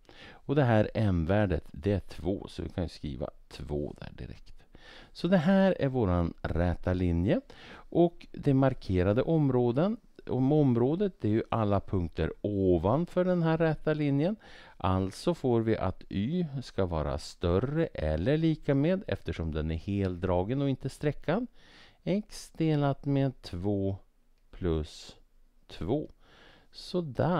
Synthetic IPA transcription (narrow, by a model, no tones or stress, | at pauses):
ɔd̪ɛɦæːɾɛnvæːɖət̪d̪ɛæʈʰvo̰ːsɔvɪ̰kʰanjɵskɾḭːva̰t̪ʰvo̰ːd̪̥æ̰ːɖɪ̰ɾɛ̰kt̪sɔd̪ɛɦæːɾæɾvoːɾanɾɛt̪ːalɪnjəʔɔkd̪ɛmaɾkʰeːɾad̪əʔɔmɾoːd̪ən | ɔmɔmɾoːd̪ət̪̚d̪ɛæɾjɵʔalːapʰɵŋk̚t̪ə̰ɾoːvanfœɖɛnɦæːɾːɛt̪alɪnjən | ʔa̰lt̪sɔfoːɾvɪʔa̰t̪yːskavɑ̰ːɾa̰st̪œrəʔɛ̰lːəɭiːkameːd̪ɛ̰ft̪əʂɔmd̪ɛnæɾheːlt̪d̪ɾɑːɡənɔɪnt̪əst̪ɾɛkːad̪ | ɛksd̪eːlat̪meːd̪̚t̪ʰvoː | pʰlɵs | t̪ʰvoː | sɔd̪æ